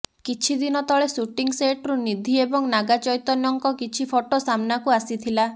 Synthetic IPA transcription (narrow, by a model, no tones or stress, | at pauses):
kit͡ʃʰid̪inɔt̪ɔɭesuʈiŋseʈɾunid̪ʱiebɔŋnaɡat͡ʃɔjt̪ɔnɔŋkɔkit͡ʃʰipʰoʈosamnakuasit̪ʰila